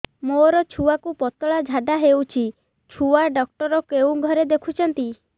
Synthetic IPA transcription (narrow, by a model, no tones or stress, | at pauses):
moɾɔt͡ʃʰuwakupɔt̪ɔɭad͡ʒʱaɖaɦewt͡ʃʰi | t͡ʃʰuaɖɔk̚ʈɔɾɔkeũɡʱɔɾed̪ekʰut͡ʃʰɔnt̪i